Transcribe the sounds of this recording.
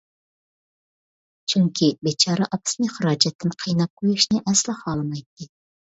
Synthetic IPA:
t͡ʃʰyŋkʲʰibet͡ʃʰɑːɾɑʔɑpʰɨ̥snɨχəɾɑːd͡ʒɛt̪ːɪnqʰijnɑp̚kʰojiʃnɪʔɛslˠɪχɑlˠmɑjt̪ːɨ

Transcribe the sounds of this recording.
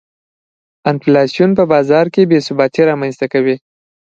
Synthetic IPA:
ɪnflɑsjunp̬əbɑzɑɾkebesʊbɑt̪iɾɑmanzt̪akawi

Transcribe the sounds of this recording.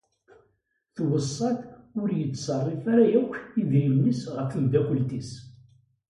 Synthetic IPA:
θwəsˤːɑθʊɾjət͡sːsɑrˤːifaɾæjækːiðɾimnisʁəɾfənd̪ækəlt̪is

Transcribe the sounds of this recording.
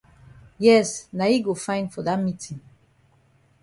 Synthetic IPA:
jɛsnaiɡofãɪ̃nfɔðat̚mitʰĩŋ

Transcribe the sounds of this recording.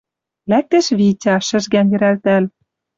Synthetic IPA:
læk̚t̪ĕʃβitʲɑʃɘ̆ʒɡænjɘ̆ɾælt̪æl

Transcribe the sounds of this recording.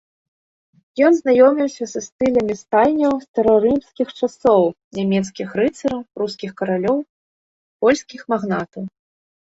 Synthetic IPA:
jɔnznajɔmʲiwsʲɐsɐst̪ɨlʲɐmʲist̪alʲnʲɐwst̪ɐɾɐɾɨmskʲixt͡ʂasɔw | nʲamʲɛt̪skʲixɾɨt̪sɐɾɐwɾuskʲixkɐɾalʲɔw | pɔlʲsʲkʲixmaɣnat̪ɐw

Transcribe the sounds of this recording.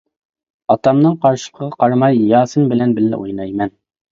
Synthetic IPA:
ɑt̪ɑmnɨŋqɑɾʃɨ̥lˠqʰəʁɑqʰɑɾmɑjːɑːsɨnbɪlɛnbɪlːɛ̰ʔojnɑjmɛn

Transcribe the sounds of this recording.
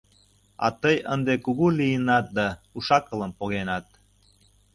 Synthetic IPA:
ɑ̰t̪əjənd̪ekuɣulijənɑt̪̚d̪ɑuʃɑkələmpoɣenɑt̪̚

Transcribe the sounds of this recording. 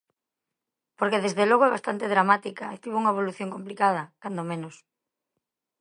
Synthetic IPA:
poɾkeðezðeloɣoɛβast̪ant̪eðɾamat̪ikaet̪iβouŋɐeβ̞oluθjoŋkomplikað̞ɐkand̪omẽnos

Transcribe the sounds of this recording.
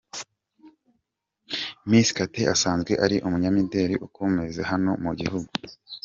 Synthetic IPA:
misi̥kateʔasaːnzɡwe̞ʔaɾiʔumuɲamide̞ːɾiʔukumŋezeɦano̞muɟihuɡu

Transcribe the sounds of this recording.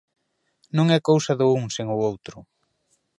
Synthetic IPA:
nõŋɛkowsɐðʊuŋseŋʊowt̪ɾʊ

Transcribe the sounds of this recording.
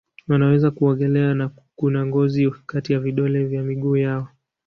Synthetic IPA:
wanawɛzakuɔŋɡɛlɛana | kunaŋɡɔzikatijaviɗɔlɛvjamiɠuːjaɔ

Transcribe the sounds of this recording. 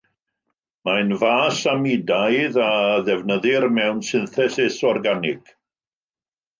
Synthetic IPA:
majnvaːsamidajðaðɛvnəðɪrmɛwnsɪnθɛsɪsɔrɡanɪɡ̥

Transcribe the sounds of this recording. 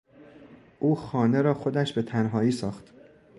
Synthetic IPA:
ʔuːxɒːne̞ɾɒːxo̞d̪æʃbe̞t̪ʰænɦɒːiːsɒːxt̪

